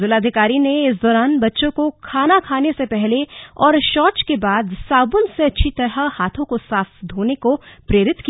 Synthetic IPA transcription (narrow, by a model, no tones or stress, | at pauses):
zɪlaːd̪ʱɪkaːɾineɪs̬d̪ɔːɾaːnbɐtːʃõkokʰaːnakʰaːnesepɛɦleɔːɾʃɔːt͡ʃkebaːd̪saːbʊnseɐtːʃʰit̪ɐɾəhaːt̪ʰõkosaːfd̪ʱoːnekopɾeːɾɪt̪ki